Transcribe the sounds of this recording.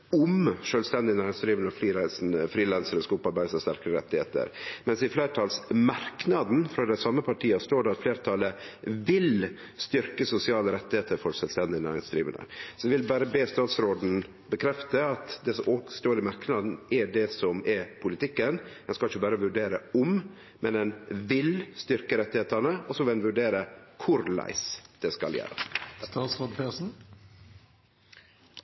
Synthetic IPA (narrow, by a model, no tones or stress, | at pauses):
ʊmʂøːlst̪ɛnd̪ɪənæːɾɪŋsd̪ɾiːʋənəɔfliːɾæɪsn̩əfɾiːlɛnsəɾəskɑʊpɑɾbæɪsɑst̪æɾkəɾəɾɛ̰t̪ːɪhḛːt̪ə̰ɾmɛnsɪfleːɾʈ̪ʰɑlsmɑɾknɑd̪n̩fɾɑd̪ɛsɑmːəpʰɑʈʰiːəst̪oːɖɛɑt̪fleːɾt̪ʰɑləʋɪl | st̪ʏɾkəsʊsɪɑːləɾɛt̪ːɪheːt̪əɾfɔɾʂœːlst̪ɛnd̪ɪənæ̰ːɾɪŋsd̪ɾiːʋə̰nə̰sɔɛʋɪlbæːɾəbeːst̪ɑːt̪sɾoːd̪n̩ | bəkʰɾɛft̪əɑt̪d̪ɛsɔʔɔst̪oːɾɪmɑɾkənɑːd̪n̩ɛɖɛsɔmɛpʰʊlɪt̪ɪkːənd̪ɛnskɑlɪçːəbɑːɾəʋʉɖeːɾəɔm | mʔɛnd̪ɛnʋɪlst̪ʏɾkəɾɛt̪ːɪheːt̪ənəɔsɔʋɪlɛnʋʉɖeːɾəkʰʊɾlæ̰ɪsd̪̥ɛskɑ̰ljæ̰ːɾə̰st̪ɑːt̪sʁoːd̪pʰesn̩